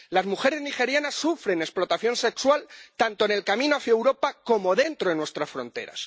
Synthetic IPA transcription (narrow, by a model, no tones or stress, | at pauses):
lazmuxe̞ɾe̞znixe̞ɾjanasːufɾe̞ne̞splo̞t̪aθjo̞nse̞kswalt̪ant̪oene̞lkamĩnoaθjaewɾo̞pako̞mo̞ðe̞nt̪ɾoenwe̞st̪ɾasfɾõ̞̰nt̪e̞̰ɾa̰s